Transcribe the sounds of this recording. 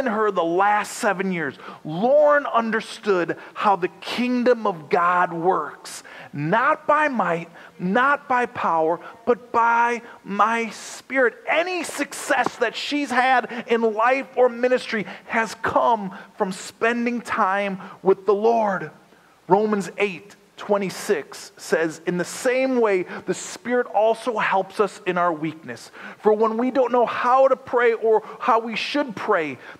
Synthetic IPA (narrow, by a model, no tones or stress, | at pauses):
ɨ̃nə˞ðəlæstsɛvɨ̃njɪɹz̥lɔɹə̃nʌ̃ndə˞stʊd̚haʊðɨkʰɪ̃ŋdə̃mʌvɡɑd̚wɜ˞ksnət̚b̥aɪmaɪt̚ⁿ | nət̚b̥aɪpʰaʊə˞b̥ʌt̚b̥aɪmaɪspɪɹɨɾɛnisɨksɛsðɨtʃiz̥ɨɾɪ̃nlaɪfə˞mɪ̃ñɨstɹ̥iɨz̥kʰʌ̃ɱfɹʌ̃mspɛ̃ndɪ̃ŋtʰãɪ̃mwɨðəlɔɹd | ɹõʊ̃mɨ̃nzeɪtʰ | w̥ɛ̃ɾ̃isɪksɛzɨ̃nðɨsẽɪ̃mweɪðɨspɪɹɨɾɔlˠsoʊhɛlˠpsʌsɨ̃ñaʊə˞wik̚nɨsfə˞wə̃nwidõʊ̃nːoʊhaʊɾəpʰɹ̥eɪʔə˞haʊwiʃɨd̚pʰɹ̥eɪ